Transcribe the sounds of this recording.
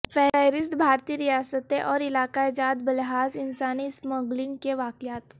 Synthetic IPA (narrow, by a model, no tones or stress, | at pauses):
fʰɛːɾaːɾɪst̪bʱaːɾt̪iɾijaːsət̪eʔɔːɾɪlaːkaed͡ʒaːd̪bɐlɦaːzɪnsaːnisməɡlɪ̃ŋɡkeʋaːkjaːt̪